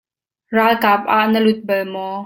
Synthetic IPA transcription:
raːlkaːp̚ʔaʔnəlʊt̪̚bɐlmɔ

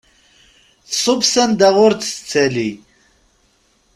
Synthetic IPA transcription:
θsˤovsænd̪æʁʊɾt͡sə̥t͡sːæli

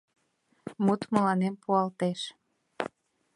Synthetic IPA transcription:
mut̪məlɑnempuɑlt̪eʃ

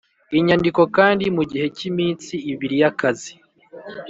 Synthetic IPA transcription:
iɲandiko̞kaːndimuɟihe̞cimiːnt͡siːβiɾijakazi

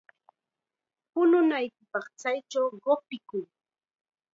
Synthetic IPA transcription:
pʊnʊnajkɪpɑχt͡sajt͡ʃawɢopɪkʊŋ

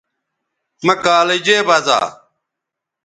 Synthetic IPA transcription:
mɐkaːlɐd͡ʑeːbɐza̰ː

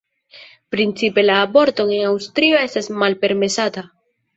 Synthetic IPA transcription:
pɾint͡sipe̞laːbo̞ɾt̪o̞ŋenawst̪ɾio̞e̞stasmalpe̞ɾme̞sat̪a

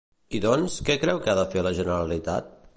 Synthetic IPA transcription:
iðɔnskɛkɾɛwkəaðəfeləʒənəɾəlit̪a̰t̪̚

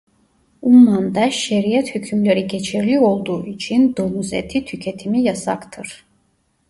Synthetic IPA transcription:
ummand̪ɛʃɛɾiɛt̪hycʰymleɾiɟɛt͡ʃʰiɾlʲio̞lˠd̪uːʔit͡ʃʰind̪omuzɛ̰t̪ʰit̪ʰycʰɛt̪ʰimijasa̰kt̪ʰɯɾ̥

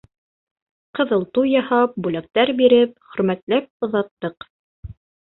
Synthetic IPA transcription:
qɤ̆ðɤ̆lˠt̪ujɑhɑp̚bʉlæk̚t̪æɾbiɾɘp̚χɵ̆ɾmæt̪læp̚ŏðɑt̪ːɤq

